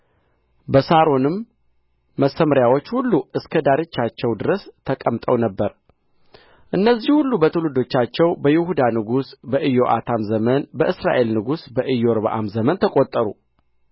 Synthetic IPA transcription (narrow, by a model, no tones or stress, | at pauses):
bəsaɾo̞nɨmː | əsəməɾjawo̞t͡ʃːhulːuɨskʰəd̪aɾet͡ʃːat͡ʃːɛwd̪ɨɾəst̪ʰəkʼəmt̪ʼəwnəbːəɾ | ʔɨnːəzihulːubət̪ʰɨlud̪o̞t͡ʃːat͡ʃːɛwbəjɪhud̪anɨɡusbəʔɨjo̞ʔa̰t̪ʰamzəmənbəʔɨsɾa̰ʔe̞lnɨɡusbəʔɨjːoɾβa̰ʔa̰mzəmənt̪ʰəkʼot̪ʼːəɾṵ